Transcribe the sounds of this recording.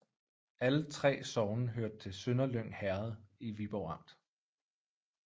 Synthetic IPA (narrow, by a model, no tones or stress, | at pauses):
ælət͡sʰʁɛ̰ːsɒʊnəɦøɐd̥̚t͡sʰe̝lsønɐløŋ̰hæɐð̩ˠiʋib̥ɒʊɑ̈m̰d̥